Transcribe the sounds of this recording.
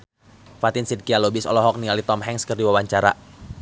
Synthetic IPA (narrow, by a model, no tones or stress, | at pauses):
fat̪ɪnsid̚kialobisɔ̰lɔɦɔk̚nialit̪ɔmɦɛŋskərdiwawaɲt͡ʃaɾa